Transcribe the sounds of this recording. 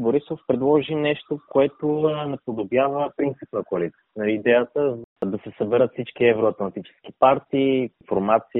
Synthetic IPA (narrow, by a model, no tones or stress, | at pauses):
boɾisofpɾɛd̪lˠɔʒinɛʃt̪okoɛt̪onɛpod̪objavəpɾint̪sipnɐkoɐlit̪sinɐid̪ɛjət̪əzd̪ɐsɛsɐbɛɾət̪fsit͡ʃkiɛvɾoɐt̪lˠɐnt̪it͡ʃɛ̥sk̟ipaɾt̪iːnfoɾmat̪si